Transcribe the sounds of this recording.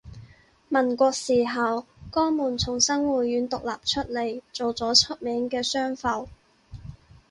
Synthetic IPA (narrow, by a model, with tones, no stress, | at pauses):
mɐ˨˩nkʷɔː˧k̚siː˨˩ɦɐ˨wkɔː˥muː˨˩nt͡sʰʊ˨˩ŋsɐ˥ŋwuː˨˩t̚ɥyː˨˥nt̪ʊ˨k̚laː˨p̚t͡ʃʰɵ˥t̚le˨˩jt͡so˨wt͡sɔː˨˥t͡ʃʰɵ˥t̚mɛː˨˥ŋkɛː˧sœː˥ŋfɐ˨˩w